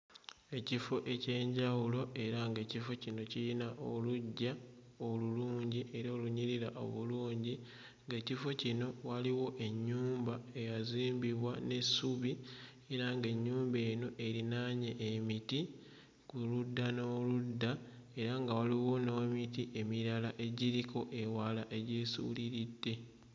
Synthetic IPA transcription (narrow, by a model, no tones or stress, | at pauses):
e̞cifo̞ʔe̞ce̞ːɲɟawulo̞e̞ɾaŋɡe̞ːcifo̞cino̞cilinaʔoluɟːa | oluluːɲɟiʔe̞ɾoːluɲiɾiɾaʔo̞̰βuluːɲɟi | ŋɡecifo̞cino̞waliwo̞ʔe̞ɲːuːmbae̞jaziːmbiβwane̞suβi | eɾaŋɡe̞ɲːuːmbe̞ːno̞ʔe̞ɾinaɲeʔːmiti | kuludːano̞ːludːa | e̞ɾaŋɡawaliwo̞nomitiʔe̞miɾalaʔe̞ɟiɾiko̞ʔe̞walaʔe̞ɟeːsṵːliɾidːe̞